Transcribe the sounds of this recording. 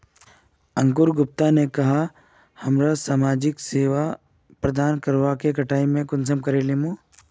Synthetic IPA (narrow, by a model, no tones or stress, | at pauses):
ɐ̃ŋkʊɾɡʊp̚t̪anekɐɦa | hɐmɾasaːmaːd͡ʒɪkseːʋa | pɾɐd̪aːnkɐɾʋakekɐʈʰaːimẽkʊns̬əmkɐɾeːlemõː